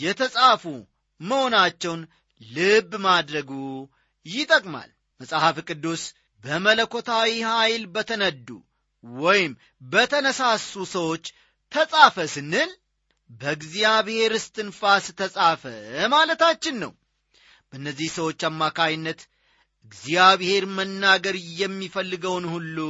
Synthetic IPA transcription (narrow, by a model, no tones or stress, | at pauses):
jɛt̪ʰəsʼafu | məho̞nat͡ʃːɛwn | lɨbːmad̪ɾəɡu | jɪt̪ʼəkʼma̰l | məsʼahafkʼɨd̪ːus | bəmələkʰo̞t̪ʰawihajlbət̪ʰənəd̪ːṵ | wɔjɪm | bət̪ʰənəsasusəwo̞t͡ʃː | t̪ʰəsʼafəsɨnːɨl | bəɨɡzijaβhe̞ɾɨst̪ʰɨnfasɨt̪ʰəsʼafə̰malət̪at͡ʃːɪnːə̰w | b̥ənːəzːihsəwo̞t͡ʃːamːakʰajɪnːət̪ | ɨɡzijaβhe̞ɾmənːaɡəɾjɛmːifəlːɨɡəwnhulːu